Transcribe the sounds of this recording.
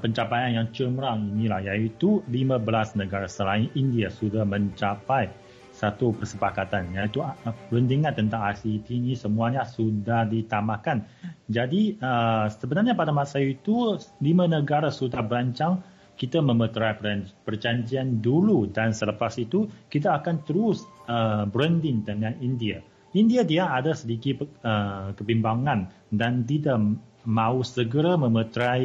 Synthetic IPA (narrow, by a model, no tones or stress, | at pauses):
pəɲt͡ʃapajanjaŋt͡ʃəmɾaŋinilahjait̪ulimãbəlasnəɡaɾasəlaɪnindiasudahmə̃ɲt͡ʃapaj | sat̪upərsəpakat̪anjait̪uplundiŋãnt̪ːənt̪aŋasit̪inisəmũaɲasudahdit̪amakan | d͡ʒadiəsəbənarɲapadamasajuit̪ulimãnəɡaɾasudahbəɾaɲt͡ʃaŋ | kit̪aməmət̪ɾajpəpərd͡ʒaɲd͡ʒianduludansələpasit̪ukit̪aːkant̪əɾusəbɾəndɪŋdəŋãnindia | indiadiaadasədikiəkəbimbaŋãn | dant̪idaʔmãusəɡəɾaməmət̪ɾaj